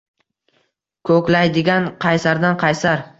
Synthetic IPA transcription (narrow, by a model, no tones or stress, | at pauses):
kʰɵkʲlajd̪ɪɡʲanqʰɑjsaɾd̪anqʰɑjsaɾ